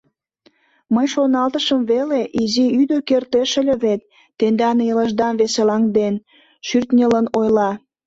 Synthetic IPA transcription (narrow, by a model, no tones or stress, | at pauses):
məjʃonɑlt̪əʃəmβeleʔiziyd̪əkert̪eʃĕlʲə̆βet̪ː | end̪ɑnjələʒd̪ɑnβeselɑŋd̪en | ʃyrt̪nʲələnojlɑ